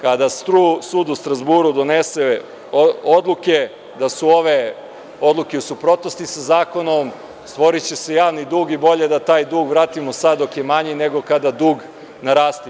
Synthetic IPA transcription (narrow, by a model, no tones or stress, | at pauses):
kad̪ast̪ɾusuːd̪ust̪ɾazbuːɾud̪o̞nese | ood̪lˠuke̞ | d̪asuo̞ʋe̞ | od̪lˠukeusupɾo̞t̪nost̪isazaːko̞no̞m | st̪ʋo̞ɾit͡ɕese̞jaːʋnid̪uːɡibo̞ʎe̞d̪at̪aːjd̪uːɡʋɾaːt̪imosad̪ːo̞kje̞maɲene̞ɡo̞kad̪ad̪uːɡ | naɾaːst̪i